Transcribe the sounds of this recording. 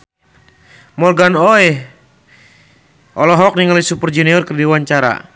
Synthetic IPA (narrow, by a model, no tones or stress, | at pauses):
mɔrɡanɔj | ʔɔlɔɦɔk̚niŋalisupərd͡ʒɛniɔrkərdiwaɲt͡ʃaɾa̰